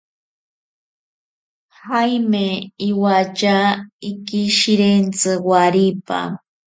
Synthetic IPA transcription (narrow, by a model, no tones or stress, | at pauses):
hajmeiwat͡ʃaikiʃiɾent͡sɨwaɾipa̰